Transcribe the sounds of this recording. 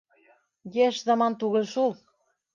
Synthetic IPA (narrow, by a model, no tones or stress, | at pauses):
jeʃzɑmɑnt̪uɣɤ̆lʲʃulˠ